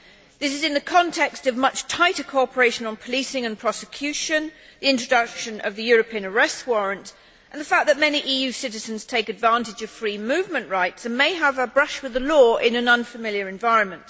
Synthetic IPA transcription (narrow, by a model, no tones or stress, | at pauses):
ðɪsɨzɨ̃nðɨkʰɑ̃ntʰɛkstʌvmʌt͡ʃtʰaɪɾə˞kʰɔɑpə˞eɪʃɨ̃nə̃n̩pʰəlisɪ̃ŋɨ̃npʰɹ̥ɑsɨkʰj̥ʉʃɨ̃nðiɪ̃nt͡ʃɹ̥ədʌkʃɨ̃nʔʌ̰vðɨjɔɹɨpʰiɨ̃nə˞ɛst̚wɔɹɨ̃nt | ʔə̃nðəfæk̚ðɨt̚mɛniʔijʉsɪɾɨzɨ̃nz̥tʰeɪkɨdvæ̃ntɨd͡ʒʌv̥fɹimʉvmɨ̃nʔɹaɪtsɨ̃nmeɪəvəbɹʌʃwɨðəlɔʔɪ̃nɨ̃nʌ̃nfəmɪlˠjə˞ɨ̃ɱvaɪɹɨ̃nmɨ̃nt